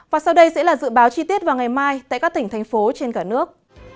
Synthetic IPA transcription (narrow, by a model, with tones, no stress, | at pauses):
vaː˨˩sa˧wɗə˧jsɛ̰˧˥laː˨˩zɨ̰˧˨ɓaː˨˦wt͡ɕi˧t̪i˦˥ət̚vaː˨˩wŋa˨˩jmaː˧jt̪a̰ː˧˨kaː˦˥k̚t̪ï˧˩ŋ̟t̪ʰjŋ̟fo˨˦t͡ɕe˧nkaː˧˩nɨ˦˥ək̚